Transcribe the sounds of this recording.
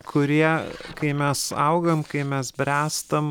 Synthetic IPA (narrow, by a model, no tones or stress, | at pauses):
kʰʊɾʲiɛkɐɪmʲɛsɐʊɡɐmkɐɪmʲɛsbʲɾʲæːst̪ɐm